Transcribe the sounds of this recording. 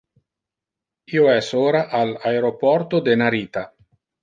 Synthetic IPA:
iːoɛsoːɾaʔalaeɾopɔɾt̪od̪enaɾiːt̪a

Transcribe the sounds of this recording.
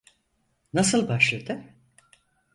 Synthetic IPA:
nasɯlˠbaʃlˠad̪ɯ

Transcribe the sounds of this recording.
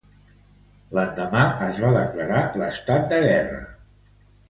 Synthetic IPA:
lənd̪əmaəzβaðəkləɾaləst̪at̪̚d̪əɣɛrə̰

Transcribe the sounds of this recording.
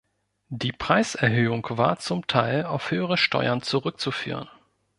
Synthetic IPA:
d̥iːpʁ̥aɪsɛɐɦøːʊŋkvaːɐt͡sʊmtʰaɪlaʊfhøːəʁ̞əʃtɔ̰ʏɐnt͡suʁʏk̚t͡sufy̰ːʁ̞ən

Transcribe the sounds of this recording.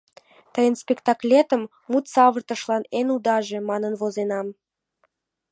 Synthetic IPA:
t̪əjənspʲekt̪ɑklʲet̪ə̆mːut̪sɑβərt̪ə̆ʃlɑnenud̪ɑʒe̽mɑnənβozenɑm

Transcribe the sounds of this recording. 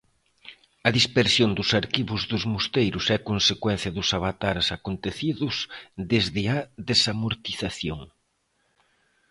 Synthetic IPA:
ɐðispeɾsjond̪ʊsaɾkiβʊzðʊzmust̪ejɾʊsɛkonsekwɛn̟θjɐðʊsaβat̪aɾsakont̪eθiðʊsd̪ezðɪaðesamoɾt̪iθaθjoŋ

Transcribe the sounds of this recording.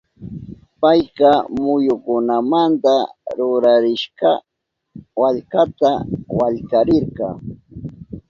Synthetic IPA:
pajqɑmʊjʊkʊnamant̪aɾʊɾaɾɪʃɢɑ | waʎkat̪awaʎkaɾɪɾɢɑː

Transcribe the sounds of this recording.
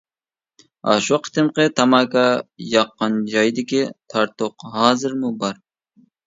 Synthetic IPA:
ɑ̰ʃuqʰə̥t̪ɨmqɨt̪ʰɑmɑkʰɑjɑqːɑnd͡ʒɑjd̪ɪkʲit̪ʰɑɾt̪ʰoqhɑːzɪɾmubɑɾ

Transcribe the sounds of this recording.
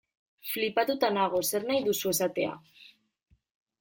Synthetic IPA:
flipat̪ut̪anaɣ̞o̞se̞ɾnajðusue̞sat̪e̞a̰

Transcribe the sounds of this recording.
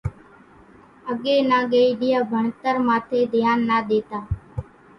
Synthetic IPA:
əɡeːnaːɡeiɖɪjaːbʱəɳt̪əɾmãːt̪ʰeːd̪ʱjaːnːaːd̪eːt̪aː

